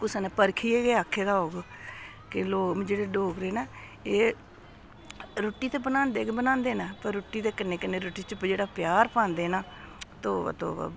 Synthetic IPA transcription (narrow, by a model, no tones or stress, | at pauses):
kʊsneːpəɾkʰiːeːɡeːaːkʰːeːd̪aːɦoːɡ | kɪloːmd͡ʒeːɽeːɖoːɡɾeːnɛː | eː | ɾoːʈːiːt̪eːbənãːnd̪eːkebənãːnd̪eːnɛːpəɾːoːʈːiːt̪eːkɪnẽːkɪnẽːɾoːʈiːt͡ʃpd͡ʒeːɽaːpjaːɾpãːnd̪eːnaː | t̪oːə̰t̪o̰ː